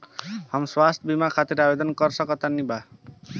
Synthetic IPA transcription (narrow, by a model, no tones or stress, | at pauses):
hʌmswast̪ʰbimakʰat̪iɾabed̪ʌnkʌɾsʰʌkʌt̪aniba